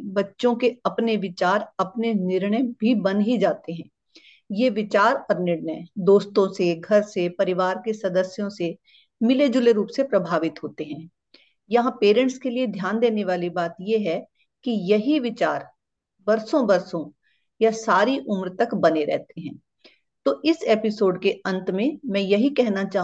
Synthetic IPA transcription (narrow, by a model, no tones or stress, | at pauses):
bɐtːʃõkeɐpneʋɪt͡ʃaːɾɐpnenɪɾɳəjbʱibɐnɦid͡ʒaːt̪eɦɛ̃ː | jeːʋɪt͡ʃaːɾɔːɾnɪɾnəjd̪oːst̪õseɡʱɐɾsepɐɾɪʋaːɾkesɐd̪əsjõse | mɪled͡ʒʊleɾuːpsepɾɐbʱaːʋɪt̪ɦoːt̪eɦɛ̃ː | jɐɦãpeːɾɛ̃ɳʈskelied̪ʱjaːnd̪eːneʋaːlibaːt̪jeɦɛ | kijɐɦiʋɪt͡ʃaːɾ | bɐɾsõbɐɾsõ | jasaːɾiʔʊmɾt̪ɐkbɐneɾɛ̰ɦt̪eɦɛ̃ː | t̪oːʔɪseːpɪsoːɖkeʔɐ̃nt̪mẽmɛ̃jɐɦikɛɦnat͡ʃaːɦ